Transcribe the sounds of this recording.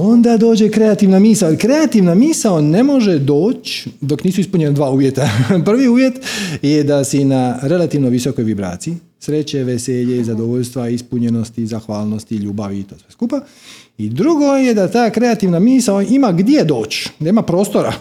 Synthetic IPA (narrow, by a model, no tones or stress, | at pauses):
o̞nd̪ad̪o̞ːd͡ʑe̞kɾe̞at̪iʋnamiːsaojelikɾe̞at̪iʋnamiːsaone̞mo̞ʒe̞d̪o̞ːt͡ʃd̪o̞kniːsuispuɲe̞nad̪ʋaːuːʋje̞t̪apr̩ʋiuːʋje̞t̪jed̪asinaɾe̞lat̪iʋnoʋiso̞ko̞jʋibɾa̰ːt̪sii | sɾe̞t͡ɕeʋe̞seːʎeizad̪oʋoʎst̪ʋaispuɲe̞no̞st̪izaxʋaːlˠno̞st̪iʎuːbaʋiːt̪osʋeskuːpa | id̪ɾuɡo̞jed̪at̪aːkɾe̞at̪iʋnamiːsaoʔimaɡd̪jed̪o̞ːt͡ɕd̪aimapɾo̞ːst̪o̞ɾa